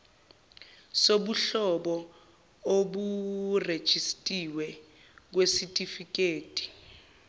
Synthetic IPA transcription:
soɓuɬɔɓɔ | oɓured̥ʒ̥ʱistʼiwɛ | k̬wesitʼifik̬eːtʼi̥

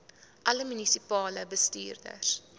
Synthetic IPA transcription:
ʔɐləmynisipɑːləbəstḭːrdə̰s

